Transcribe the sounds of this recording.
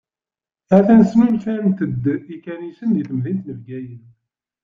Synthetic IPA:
æθænəsmæmθænt̪əd̪ːikænisənðiθəmðint̪nəvɡæjən

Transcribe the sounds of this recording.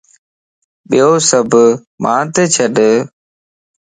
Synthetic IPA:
ɓijoːsəbʱ | mʔãːt̪et͡ʃʰəɗ

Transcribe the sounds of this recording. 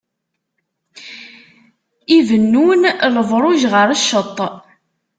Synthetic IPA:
ivənːunləvɾˤʊʒʁəɾəʃːət̪ˤː

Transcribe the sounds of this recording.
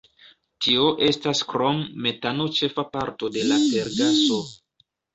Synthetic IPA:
tʰio̞ʔe̞staskɾo̞mːe̞tano̞t͡ʃe̞fapaɾto̞de̞lafe̞ɾɡaso̞

